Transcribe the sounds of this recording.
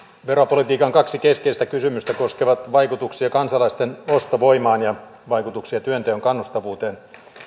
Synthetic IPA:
ʋeɾopolit̪iːkɑŋkɑksikeskeist̪ækysymyst̪ækoskeʋɑt̪ʋɑikut̪uksiɑkɑnsɑlɑist̪enost̪oʋoimɑːnjɑ | ʋɑikut̪uksiɑt̪yønt̪eøŋkɑnːust̪ɑʋuːt̪eːn

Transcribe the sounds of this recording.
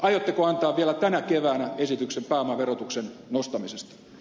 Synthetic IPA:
ɑjot̪ːekoɑnt̪ɑːʋʋiælæt̪ænækeʋæːnæesit̪yksempæːomɑʋerot̪uksennost̪ɑmisest̪ɑ̥

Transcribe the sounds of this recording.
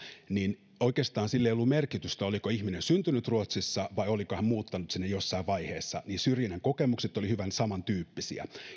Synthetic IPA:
nin | oikeːst̪ɑːnsilːeijolːumerkit̪yst̪æolikoiçminensynt̪ynyt̪ruot̪sisːɑʋɑiolikohæmmuːt̪ːɑnut̪sinːejosːɑiʋʋɑiheːsːɑ̰ninsyrjineŋko̞kemukset̪ːˑolihyʋænsɑmɑnt̪yːpːisḭæ̰

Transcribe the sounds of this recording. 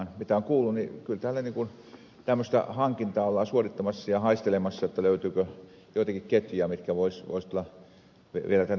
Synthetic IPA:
nmit̪æoŋkuːlːunnikylt̪æːlːæniŋkun | t̪æmːøst̪ɑ̰hɑŋkint̪ɑːolːɑˑːsuorit̪ːɑmɑsːɑjɑhɑist̪elemɑsːɑjot̪ːɑløyt̪yːkø | joˑit̪ɑkikket̪jyæmit̪kæʋoisʋo̰ist̪olːɑ | ʋʋielæt̪æn

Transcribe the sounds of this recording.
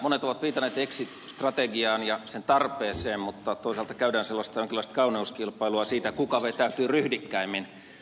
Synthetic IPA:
monet̪oʋɑt̪ʋiːt̪ɑnˑeːt̪eksit̪st̪rɑt̪eɡiɑːnjɑsent̪ɑrpeːseːmmut̪ːɑt̪oˑisɑlt̪ɑ̥kæydæːnselːɑst̪ɑjoŋkilːˑɑˑist̪kɑuniuskilpˑɑiluɑsiːt̪ækukɑʋet̪æyt̪yːryhdikːæimːin

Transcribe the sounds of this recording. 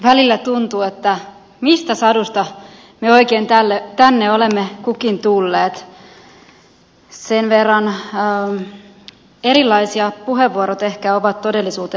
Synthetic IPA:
ʋælilːæt̪unt̪uːet̪ːæ | mist̪æsɑdust̪ɑ | meo̞ikeːnt̪ælːet̪ænːeolemːekukint̪ulːeːt̪ | senʋerːɑnː | eɾilːɑisiɑpuɦeʋːuoɾot̪ehkæoʋɑt̪todelːisuːt̪e

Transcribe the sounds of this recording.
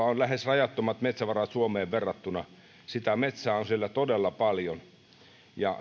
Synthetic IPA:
ɑonlæhesrɑjɑt̪ːomɑt̪met̪sæʋɑrɑt̪suomeːʋʋerːɑt̪ːunɑ | sit̪æmet̪sæːonsielːæt̪odelːɑpɑljon | jɑ̰

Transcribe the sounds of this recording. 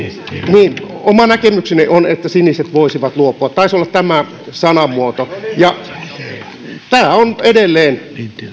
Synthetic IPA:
niːnomɑnækemyksineʔonet̪ːæsiniset̪ʋoisiʋɑt̪luopˑuɑt̪t̪ɑisolːɑt̪t̪æmæ | sɑnɑmuot̪ojɑ | t̪æːonedelːeːn

